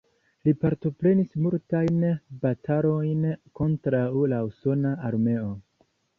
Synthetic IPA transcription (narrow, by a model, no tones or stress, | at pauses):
lipaɾto̞pɾe̞nismultajnbatʰalo̞jnko̞ntɾawlauso̞naaɾme̞o̞